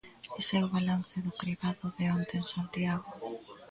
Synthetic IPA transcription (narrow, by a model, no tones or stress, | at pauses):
esɛwβalanθɪðʊkɾiβaðʊðeont̪ensant̪iaɣʊ